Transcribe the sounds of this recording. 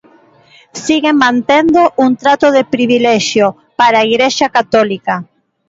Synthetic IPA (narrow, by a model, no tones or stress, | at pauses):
siɣemːãnt̪end̪oʔunt̪ɾat̪oðepɾiβilɛʃjo | paɾaiɣɾeʃakat̪ɔlika